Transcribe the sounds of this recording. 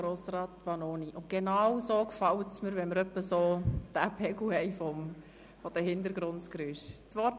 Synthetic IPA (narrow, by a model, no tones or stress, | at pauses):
ɾoːsrɑːt̪ʋɑnoːniʔʊnt̚ɡ̥enɑwsoːkfɑwətsməɾʋɛnməɾœpːəsoːd̪̥æpʰɛɡuhɛɪfɔm | fɔd̥əhɪnd̪əɾɡ̥ɾʊnskɾyʃt͡sʋɔ